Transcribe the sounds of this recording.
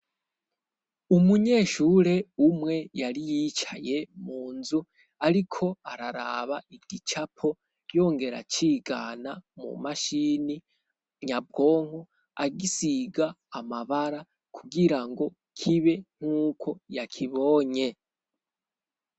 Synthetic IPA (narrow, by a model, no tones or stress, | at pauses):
umuɲe̞ːʃuːɾe̞umŋe̞jaɾijit͡ʃaje̞muːnzu | aɾikʰo̞aɾaɾa̰βaiɡit͡ʃapʰo̞ | jo̞ːŋɡe̞ɾa̰t͡ʃiːɡa̰ːnamṵmaʃiːni | ɲab̚ɡo̞ːŋ̥ho | aɡisiɡaːmaβaɾa | kʰuɡiɾaŋɡo̞ | kʰiβe̞ŋ̥uːkʰo̞jakʰiβo̞ːɲe̞